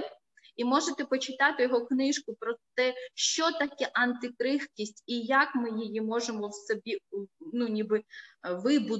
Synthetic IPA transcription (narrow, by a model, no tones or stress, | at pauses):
imɔʒet̪ɛpɔt͡ʃɪt̪ɑt̪ɪjɔɦɔknɪʃkʊpɾɔt̪ɛʃt͡ʃɔt̪ɐkʲɛʔɐnt̪ɪkɾɪxkʲisʲtʲijakmɪjɪjimɔʒemɔwsɔbʲinunʲibɪʋɪbʊ